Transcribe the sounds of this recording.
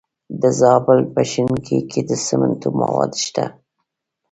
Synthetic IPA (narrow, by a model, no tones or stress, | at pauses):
d̪əzɑbɪlpaʃɪnkʰikʰed̪əsəmənt̪umawɑ̰d̪ʃt̪a